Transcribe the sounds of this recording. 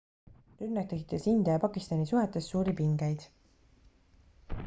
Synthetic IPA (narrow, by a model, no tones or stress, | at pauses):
ɾyrnɑk̚t̪e̞kit̪ːˑesind̪̥ijɑpɑkˑist̪ɑnisuɦet̪ːˑe̞stːsuːɾipiŋɡejd̪̥